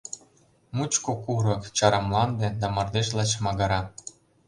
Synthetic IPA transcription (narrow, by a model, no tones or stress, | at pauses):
mut͡ɕkokuɾɤ̆kt͡ɕɑɾɤ̆mlɑnd̪ĕd̪ɑmɑrd̪eʒlɑt͡ɕmɑɣɑɾɑ